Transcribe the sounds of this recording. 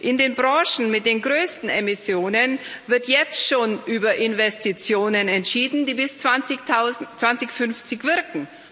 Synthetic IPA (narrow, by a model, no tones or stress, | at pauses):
ʔɪndeːnbʁɑ̃ːʃn̩mɪt̚d̥eːnɡʁøːstn̩emɪsjoːnənvɪɐtjɛt͡stʃoːnʔyːbɐʔɪnvɛstit͡sjoːnənɛntʃiːdn̩diːbɪst͡sat͡sɪat͡sv̥ant͡sɪçfʏnft͡sɪçv̥ɪɐkŋ̩